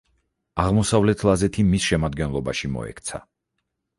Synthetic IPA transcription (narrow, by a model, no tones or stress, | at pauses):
aʁmɔsavlɛt̪ʰlˠazɛt̪ʰimisʃɛmad̪ɡɛnlˠɔbaʃimɔ̰ɛ̰kʰt̪sʰa̰